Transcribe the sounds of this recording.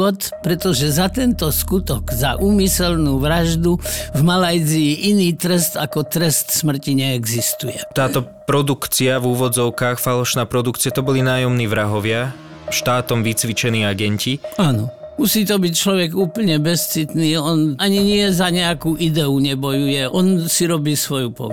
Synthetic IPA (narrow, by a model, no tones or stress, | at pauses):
ɔt̪ | pɾɛt̪ɔʒɛzat̪ɛnt̪ɔskut̪ɔɡza̰ʔuːmisɛlnuːʋɾaʒd̪uvmalajziːʔiniːt̪ɾɛst̪akɔt̪ɾɛst̪smr̩ciɲɛɛɡzist̪ujɛt̪aːt̪ɔpɾɔd̪ukt͡siavuːʋɔd͡zɔʊkaːxfalɔʃnaːpɾɔd̪ukt͡siat̪ɔbɔlinaːjɔmniːʋɾaɦɔʋɪa | ʃt̪aːt̪ɔmʋit͡sʋit͡ʃɛniːaɡɛɲciaːnɔ | musiːt̪ɔbict͡ʃlɔʋɛɡuːpl̩ɲɛbɛst͡sit̪niːɔnʔaɲiɲɪɛzaɲɛakuːʔid̪ɛuɲɛbɔjujɛʔɔnsiɾɔbiːsʋɔjupɔ̰